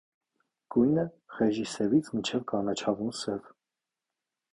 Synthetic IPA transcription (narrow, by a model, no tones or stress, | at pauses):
kujnɛ | ʁɛʒisɛvit͡sʰmint͡ʃʰɛvkɑnɑt͡ʃʰɑvunsɛv